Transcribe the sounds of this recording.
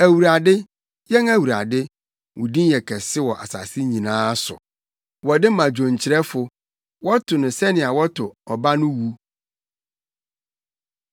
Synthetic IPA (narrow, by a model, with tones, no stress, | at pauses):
æ˨wu˨ɾa˨dɪ˦ | jɛ˦næ˨wu˨ɾa̰˨dɪ˦ | wʊ˨dĩ˦n˦jɛ˨kʰɛ˨sɪ˦wɔ˨ʔa̰˨sa̰˨sɪ˦ɲĩ˨nãː˦sʊ̰˨ | wɔ˨dɪ˦mã˨d͡ʑᶣõ˨ɲ˨t͡ɕʰɪ˨ɾɛ˦fʊ˨ | wɔ˦tʰʊ˨nʊ̃˨sɛ˦nɪ̃˨a˨wɔ˦tʰʊ˨ɔ˨ba˦nʊ̃˦wu˦